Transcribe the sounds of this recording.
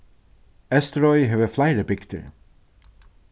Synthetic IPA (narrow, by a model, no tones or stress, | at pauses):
ɛstəɹɔɪɦɨvəflaɪɹəbɪkt̪ʰə̰ɹ